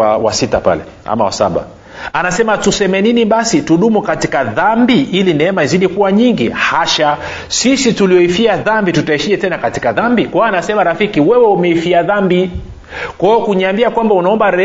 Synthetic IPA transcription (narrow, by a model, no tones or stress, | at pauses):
awa̰sita̰pa̰lɛ̰ | a̰mawa̰sa̰ɓa̰ | anasɛmatusɛmɛniniɓasituɗumukatikaðambiʔilinɛɛmaiziɗikuwaɲiŋɡihaʃa | sisituliɔifiaðambitutaiʃiɛtɛnakati̥kaðambikwaanasɛmaɾafikiwɛwɛumɛifiaðambi | kwaɔkuɲiambiakwambaunaɔmbaɾɛ